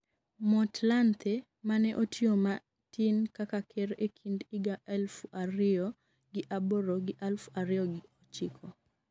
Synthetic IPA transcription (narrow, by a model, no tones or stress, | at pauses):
mɔtlant̪ʰe | manɛʔotʰjoma | tinkakakʰeɾekʰindiɡaʔɛlfaɾɪɔ | ɡɪʔaboɾoɡɪʔalfaɾɪɔɡɪot͡ʃɪkʰɔ